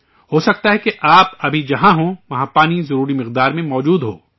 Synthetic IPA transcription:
ɦoːsɐk̚t̪aɦɛkeʔaːpɐbʱid͡ʒɐɦãɦõʋɐɦãpaːnizɐɾuːɾimɪqd̪aːɾmẽmɔːd͡ʒuːd̪ɦoː

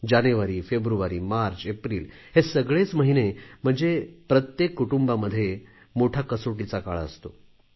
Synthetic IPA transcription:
d͡ʑanuʋaɾiːfebɾuʋaɾiːmaɾt͡ɕepɾiːlhesəɡɭet͡sməɦinem̤əɳd͡zepɾət̪jekːuʈumbaməd̪ʱːje | moʈʰakəsoʈ̬it͡saka̰ɭəst̪o

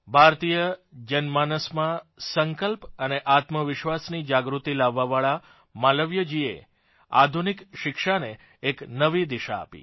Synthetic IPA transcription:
bʱaɾt̪ijəd͡ʒənmanəsmãsəŋkəlpəneʔat̪məʋɪʃʋasnid͡ʒaɡɾut̪ilaʋːaʋaɭa | maləʋjəd͡ʒiḛ | a̰d̪ʱunikʃɪkʃaneː | knəʋid̪iʃa̰ːpḭ

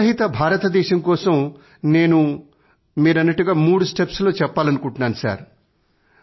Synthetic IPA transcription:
ɐɦit̪ɐbʱaːɾɐt̪ɐd̪ɛːʃɐmkɔːsɐm | ne̞ːnu | miːɾɐnːɐʈːuɡaːmuːɽusʈepslo̞ːt͡ʃɛpːaːlɐnukuɳʈunaːnsa̰ːɾ

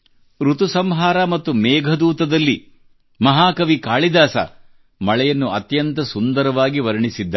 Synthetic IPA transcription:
ɾut̪usɐmɦaːɾamɐt̪ːumɛːɡʱɐd̪uːt̪ɐd̪ɐlːi | mɐɦaːkɐʋikaːɭid̪aːsɐ̰ | mɐɭɛjɐnːuɐt̪jɐnt̪ɐsund̪ɐɾɐʋaːɡiʋɐɾɐɳisid̪ːa

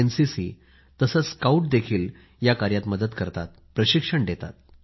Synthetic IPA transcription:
ensisḭː | t̪əsət͡sskauʈ̚d̪ekʰiːl | jakaɾjat̪məd̪əd̪kəɾt̪a̰t̪̚pɾəɕikʂəɳɖet̪a̰t̪̚

